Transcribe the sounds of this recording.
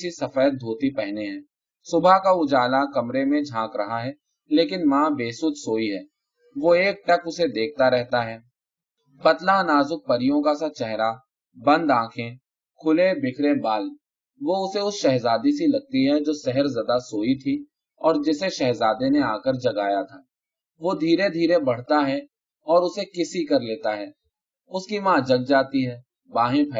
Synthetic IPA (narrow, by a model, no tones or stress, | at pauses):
sisɐfəjət̪̚d̪ʱoːt̪ipɛɦneɦɛ̃ː | sʊbʱakaʊd͡ʒaːlakɐmɾemẽd͡ʒʱãːkɾɐɦaɦɛː | leːkɪnmãːbeːsʊːt̪soːiɦɛː | ʋoeːk̚ʈɐkʊsed̪eːk̚ʰt̪aɾɛɦt̪aɦɛː | pɐt̪lanaːzʊk̚pɐɾɪjõkasat͡ʃɛɦɾa | bɐ̃nd̪ãːkʰẽ | kʰʊlebɪkʰɾebaːl | ʋoʊseʊsʃɛɦzaːd̪isilɐɡ̚t̪iɦɛd͡ʒoːsɛɦəɾzɐd̪asoːit̪ʰi | ɔːɾd͡ʒɪseʃɛɦzaːd̪eneaːkəɾd͡ʒɐɡaːjat̪ʰaː | ʋod̪ʱiːɾed̪ʱiːɾebɐɽ̤t̪aɦɛ | ɔːɾʊsekɪsikɐɾleːt̪aɦɛː | ʊskimãːd͡ʒɐɡ̚d͡ʒaːt̪iɦɛː | bãːɦẽpʰɐ